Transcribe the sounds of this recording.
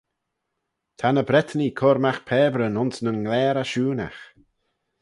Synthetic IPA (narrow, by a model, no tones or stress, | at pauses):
t̪ʰanəbɾɛt̪nikʰɔɾmaxpʰɛːbɾənʊnsnənŋlɛːɾaʃuːna̰x